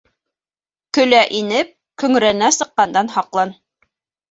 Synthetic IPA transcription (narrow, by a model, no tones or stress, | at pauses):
kɵ̆læʔinɘp̚ | kɵ̆ŋɾænæsɤ̆qːɑnd̪ɑnhɑqlˠɑn